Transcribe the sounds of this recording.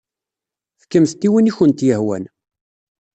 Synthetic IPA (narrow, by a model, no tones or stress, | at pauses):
θə̥kːəmθt̪ːiwiniçənt̪jəhwæ̰n